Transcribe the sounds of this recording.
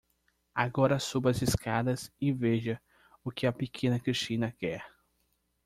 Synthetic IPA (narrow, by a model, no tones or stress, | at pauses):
aɡɔɾɐsubɐɐziskad̪ɐzɪveʒɐ | ʊkɪɐpekʰẽnɐkɾiʃt͡ʃĩnɐkɛɾ